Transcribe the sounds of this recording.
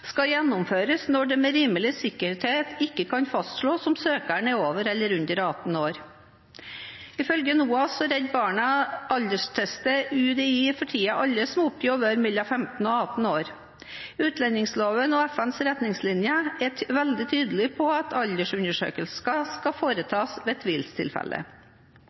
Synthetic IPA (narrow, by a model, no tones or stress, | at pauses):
skɑjɛnːʊmføːɾəsnɔɖɛmeɾiːməlɪsɪkːəɾt̪eːt̪ʰɪkːəkɑnfɑst̪ʂɭoːsɔmsøːkæɳəoːʋəɾɛlːəɾʉnd̪əɾɑt̪n̩oːɾ | ɪfœlɡənuːɑsɔɾɛd̪bɑːɳɑʔɑld̪əʂʈ̪ʰɛst̪əʉːd̪ifɔʈʰiːɑʔɑlːəsɔmʊpʰjɔʋəɾmɪlːɑfɛmt̪n̩ɔɑt̪n̩oːɾ | ʉːt̪lɛnɪŋsloːʋənɔɛfɛnsɾɛt̪nɪŋslɪnjəɛʋɛld̪ɪt̪ʰyːd̪əlɪpʰɔɑt̪ʰɑld̪əʂʉnəʂø̰ːkəlsskɑskɑfoːɾət̪ʰɑːsʋeːt̪ʰʋiːlst̪ʰɪ̰lfɛ̰lʔə̰